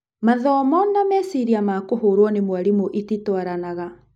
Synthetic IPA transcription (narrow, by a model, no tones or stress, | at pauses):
maðɔmɔnamɛsiɾiamakohoːɾwɔnemwaɾimoʔititwaɾanaɣa